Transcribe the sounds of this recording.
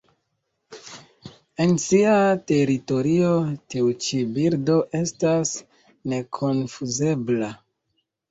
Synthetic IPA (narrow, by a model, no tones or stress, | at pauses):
e̞nsiate̞ɾito̞ɾio̞tiut͡ʃibiɾdo̞ʔe̞stas | ne̞kʰo̞nfuze̞bla